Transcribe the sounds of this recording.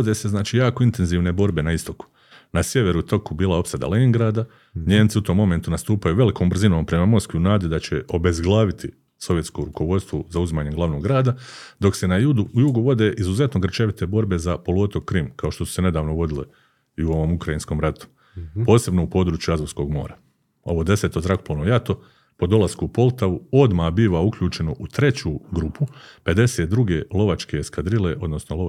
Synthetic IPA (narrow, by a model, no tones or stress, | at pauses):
od̪eːse̞znaːt͡ʃiːjaːkoint̪e̞nziːʋne̞bo̞ɾbe̞naist̪o̞ku̥ | nasje̞ʋe̞ɾut̪o̞kubiːlˠao̞psad̪a̰leŋɡɾaːd̪a | ɲe̞ːmt̪siut̪o̞ːmːo̞me̞nt̪unast̪uːpajuʋe̞likʰo̞ːmbr̩zino̞ːmpɾe̞mamo̞skʋiunaːd̪jd̪at͡ɕe̞ʔo̞be̞zɡlˠaːʋit̪ʰi | so̞ʋje̞t̪koɾuko̞ʋo̞t̪st̪ʋozauzimaːɲe̞ɡlaʋno̞ɡɾaːd̪ad̪o̞kse̞najud̪ujuɡuʋo̞d̪e̞ːʔizuze̞t̪noɡr̩t͡ʃeʋit̪e̞bo̞ɾbe̞zapo̞luot̪okɾimkao̞ʃt̪o̞su̥se̞ne̞d̪aːʋnoʋo̞d̪ilḛ | iuoʋo̞ːmukɾajinsko̞ːmɾat̪u̥ | po̞ːse̞bnoupo̞ːd̪ɾuːt͡ʃjuazoʋsko̞ːɡmo̞̰ːɾa | o̞ʋo̞ːd̪e̞set̪o̞zɾakoploʋnojat̪o̞ | po̞d̪o̞lˠaskuupo̞lˠt̪aʋuo̞d̪maːbiːʋaukʎuːt͡ʃe̞noʔut̪ɾe̞t͡ɕuːɡɾupʰupe̞d̪e̞se̞ːt̪̚d̪ɾuɡe̞ːlo̞ʋat͡ʃke̞skad̪ɾile̞ʔo̞d̪nosnolo